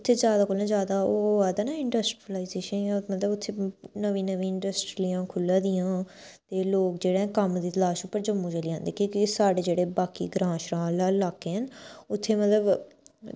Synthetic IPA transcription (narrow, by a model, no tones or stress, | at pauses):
t̪ʰːeːzjaːd̪aːkoːlãːzjaːd̪aːoaːd̪aːnaːɪɳɖəsʈːlaːiːzeːʃənjãːmət̪ləbʊt̪ʰːeːnəʋĩːnəʋĩːɪɳɖəsʈɾlijãːkʰʊlːãːd̪ɪjãː | t̪eːloːkd͡ʒeːɽãːkəmd̪iːt̪əlaːʃʊpːəɾd͡ʒəmːũːt͡ʃəliːãːnd̪eːkjõːkisaːɖeːd͡ʒeːɽeːbaːkḭːɡɾãːʃɾãːlaːlaːkːeːɦənʊt̪ʰːeːmət̪ləb